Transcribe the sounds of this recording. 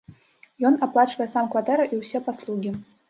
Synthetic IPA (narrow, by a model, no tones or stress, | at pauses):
jɔnaplˠat͡ʃvɐjɛsamkvat̪ɛɾɐʔiwsʲɛpaslˠuɡʲi